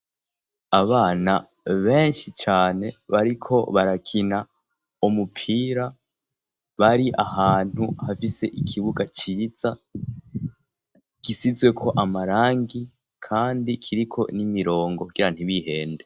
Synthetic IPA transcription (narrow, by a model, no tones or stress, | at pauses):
aβaːna | βe̞ːnʃit͡ʃaːne̞βaɾikʰo̞βaɾakʰina | umupʰiːɾa | βaɾiʔahaːn̥huhafise̞ʔikʰiβuɡat͡ʃiːz̥a | ɡ̥isizwe̞kʰo̞ʔamaɾaːŋɡi | kʰaːndikʰiɾikʰo̞nimiɾo̞ːŋɡouɡiɾan̥iβihe̞ːnde̞